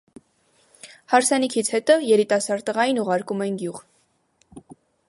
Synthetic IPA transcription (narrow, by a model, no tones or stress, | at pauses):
hɑɾsɛnikʰit͡sʰhɛt̪ɔjɛɾit̪ɑsɑɾt̪əʁɑjinuʁɑɾkumɛjinɡjuʁ